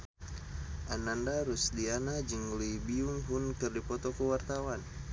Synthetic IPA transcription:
ʔanandaɾusdianad͡ʒəŋlibiuŋɦunkɨrdipɔt̪ɔkəwart̪awan

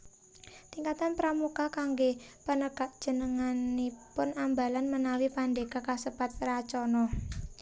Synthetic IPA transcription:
t̪iŋkat̪anpɾamukakaŋɡepənəɡ̥aʔd̥ʒ̥ə̤nəŋanːipʊnambalanmənawipandeɡ̥akasəpat̪̚rat͡ʃɔnɔ

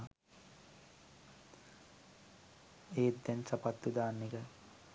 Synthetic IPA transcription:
eːd̪ːɛnsɐpat̪ːud̪aːnːikə

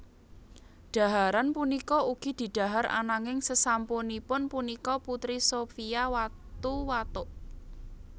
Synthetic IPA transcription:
ɖ̥a̤ɦaɾanpunikɔuɡ̥i̤d̪̥i̤ɖ̪̥a̤ɦaɾa̰naŋɪŋsəsamponipʊnpunikɔput̪ɾisofiawat̪uwat̪ʊʔ

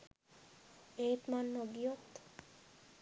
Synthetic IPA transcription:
ejt̪manːoɡijot̪

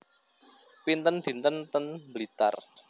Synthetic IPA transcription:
pint̪ənd̪̥i̤nt̪ənt̪ənbəlit̪a̰r

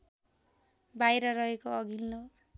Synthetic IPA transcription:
bajɾʌɾʌɦekoʌɡʱinlo

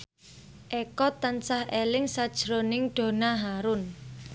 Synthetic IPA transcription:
ʔekɔt̪ant͡ʃahelɪŋsad̥ʒ̥ɾonɪŋɖ̥o̤naɦaɾʊn

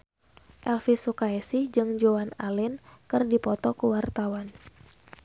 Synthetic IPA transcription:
ʔɛlfisukaɛsid͡ʒɨŋd͡ʒoanalɪnkɨrdipɔt̪ɔkəwart̪awan

